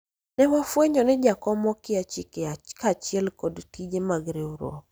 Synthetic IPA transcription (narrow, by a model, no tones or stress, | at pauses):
nɛwafweɲɔnɪd͡ʒakɔmɔkɪat͡ʃikeakat͡ʃɪɛlkɔdtid͡ʒemaɡɾeuɾɔ̰